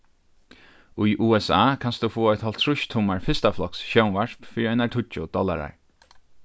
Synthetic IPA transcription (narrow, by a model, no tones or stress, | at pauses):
ujʔuːɛsaːkʰanst̪ufoːɔjt̪hɔlt̪ʰɾʊʃt̪ʰuːmaɹfɪst̪aflɔksʃɛwnʋaʂpfɪɾiajnaɹt̪ʰʊt͡ʃʊd̪̥ɔla̰ɾa̰ɹ